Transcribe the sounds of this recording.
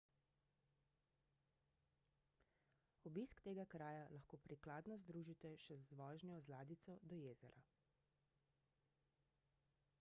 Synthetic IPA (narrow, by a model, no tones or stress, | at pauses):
ɔbiskt̪eːɡakɾaːjalaxkoːpɾiklaːd̪nɔzd̪ɾuːʒit̪ɛʃɛzʋɔːʒnjɔzlaːd̪it̪sɔd̪ɔjeːzɛɾa